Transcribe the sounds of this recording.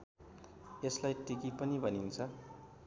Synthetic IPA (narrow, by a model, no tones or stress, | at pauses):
eslajʈikipʌnibʱʌnint͡sʰʌ